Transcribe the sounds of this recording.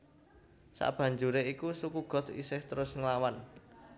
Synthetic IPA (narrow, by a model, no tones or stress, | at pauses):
sa̰ʔb̥a̤ɲd͡ʒuɾeikusukuɡ̥ɔ̤t̪ḭsɪht̪əɾʊsŋlawan